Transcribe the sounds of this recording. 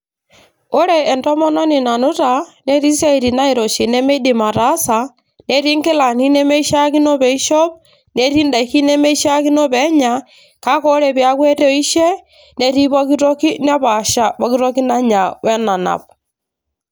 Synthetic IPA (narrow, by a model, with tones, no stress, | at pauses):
o˦ɾɛː˨ndɔ˦mɔ˦nɔ˦ni˨na˨nu˦ta˨ne˦ɾi˦s̬a˦i˨ɾi˨na˦i˨ɾɔ˨ʃi˨nɛ˦me˦di˨ma˨ɾa˨˦sa˨ | ne˦ɾi˦ŋke˦la˨ni˦nɛ˦me˦i˦ʃa˦ki˦nɔ˦βɛ˨i˦ʃɔ˦p̚ | ne˦ɾi˦nda˨xi˦nɛ˦me˦i˦ʃa˦ki˦nɔ˦βɛ˦ɲa˨ | ka˦kɔ˦ɾɛ˨βja˦kwɛ˦tɔ˦i˦ʃɛ˦ | ne˦ɾi˦βɔ˦ki˦ɾɔ˦ki˦na˦βa˨ʃa˦βɔ˨˦ki˦ɾɔ˦ki˦na˦ɲa˨wɛ˦na˨na̰˨p̚